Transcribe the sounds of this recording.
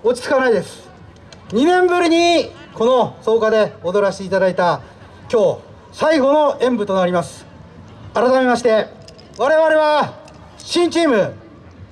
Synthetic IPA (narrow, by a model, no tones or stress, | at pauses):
o̞t͡ɕi̥t͡sɨ̥kanaid̪e̞sɨ̥ | ɲ̟inẽ̞mbɯ̟ɾʲiɲ̟i | ko̞no̞so̞ːkad̪e̞o̞d̪o̞ɾaɕiːt̪ad̪ait̪a | kʲo̞ː | saiɡo̞no̞ẽ̞mbɯ̟t̪o̞naɾʲimasɨ̥ | aɾat̪ame̞maɕi̥t̪e̞ | βaɾe̞βaɾe̞βa | ɕĩɲ̟t͡ɕiːmɯ̟